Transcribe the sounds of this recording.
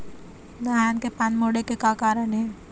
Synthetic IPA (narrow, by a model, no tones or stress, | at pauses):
d̪ɐɦaːnkepanmoːɽekekakaːɾəɳɦɛː